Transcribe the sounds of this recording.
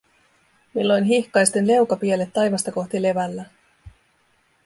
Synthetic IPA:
milːo̞jnɦihkɑjst̪enle̞wkɑpiele̞t̪ːɑjʋɑst̪ɑko̞xt̪ile̞ʋælːæ

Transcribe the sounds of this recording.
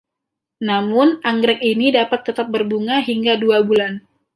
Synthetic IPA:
namʊnaŋɡɾɛk̚inidapat̪ːət̪ap̚bərbuŋaɦiŋɡaduabulan

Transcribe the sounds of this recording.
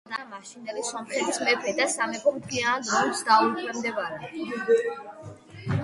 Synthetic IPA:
d̪amaʃind̪ɛlisɔmχɛt̪ʰismɛpʰɾɛd̪asamɛpʰɔmt̪ʰɡiand̪ɔmsd̪aut̪ʰwɛmd̪ɛbaɾɛ

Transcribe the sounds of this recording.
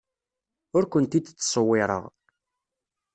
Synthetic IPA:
ʊɾkʷənt̪it͡s̪ːt͡sːsˤəwːɪɾˤə̰ʁ

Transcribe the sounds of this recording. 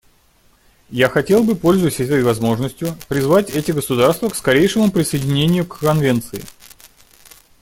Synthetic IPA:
jaxɐtʲe̞lˠbɨpo̞lʲzʊjɪsʲəɛt̪əjvɐzmo̞ʐnəsʲtʲjʊpɾʲɪzvatʲɛtʲɪɡəsʊd̪arst̪vəkskɐɾʲejʂɨmʊpɾʲɪsəjɪdʲɪnʲenʲɪjʊkːɐnvʲe̞nt̪sɨɪ̰

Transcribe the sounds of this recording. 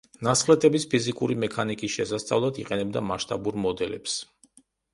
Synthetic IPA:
nasχlɛt̪ʼɛbispʰizikʼuɾimɛkʰanikʼisʃɛsast̪sʼa̰vlˠad̪iqʼɛnɛb̚d̪amaʃt̪ʼabuɾmɔd̪ɛlɛ̰ps

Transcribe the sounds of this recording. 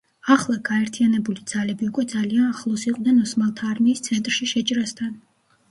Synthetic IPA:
aχlˠaɡaɛɾt̪ʰianɛbulid̪z̥alɛbiukʼwɛd̪zalianaχlˠɔsiqʼwnɛnɔsmalˠt̪ʰaːɾmiːst̪sʰɛnt̪ʼɾʃiʃɛt͡ʃʼɾast̪ʰan

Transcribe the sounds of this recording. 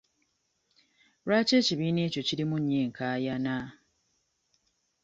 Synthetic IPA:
ɾwaːce̞ːciβiːne̞ːco̞ciɾimuɲːe̞ːŋkʰaːjana

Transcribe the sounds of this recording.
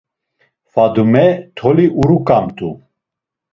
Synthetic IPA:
fad̪umɛt̪ʰɔliʔuɾukʼamt̪ʼu

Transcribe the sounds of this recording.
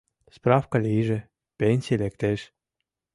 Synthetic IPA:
sprɑfkɑlʲiʒĕ | pʲenʲsʲijelekt̪eʃ

